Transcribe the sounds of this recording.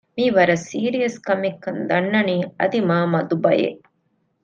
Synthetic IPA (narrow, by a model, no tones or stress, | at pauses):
miːʋɐɾɐsiːɾijɐskɐmikːɐnd̪ɐnːɐniːɐd̪imaːmɐd̪ubɐjḛ